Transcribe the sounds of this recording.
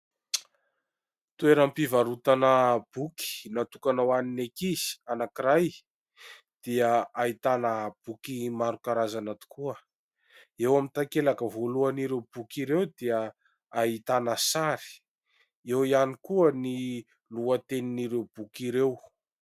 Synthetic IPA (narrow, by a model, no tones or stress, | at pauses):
t̪ueɾampivaɾut̪anəb̥uki̥nat̪ukanawaninekiz̥i̥anakiɾaj | d̪̥iəait̪anəb̥ukimaɾukaɾazanat̪u̥kuə | ewamint̪akelakəvoluaniɾewbukiɾewd̪iə | ait̪anəsaɾi̥ | ewianikuəni | luət̪eniniɾebukiɾew